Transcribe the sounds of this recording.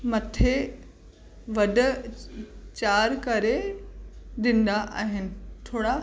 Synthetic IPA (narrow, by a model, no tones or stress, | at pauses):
mɐt̪ʰe | ʋɐɖʊ̆ | t͡ɕaːɾkɐɾe | ɗɪ̃n̆d̪aʔa̰ːɦɪnɪ̆t̪ʰoːɽa